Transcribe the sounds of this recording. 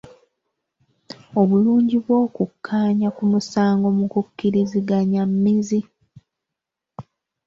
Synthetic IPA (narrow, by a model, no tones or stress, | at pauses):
o̞βuluːɲɟiβwo̞ːkukʰːaːɲakumusaːŋɡo̞mukukːiɾiziɡaɲamːizi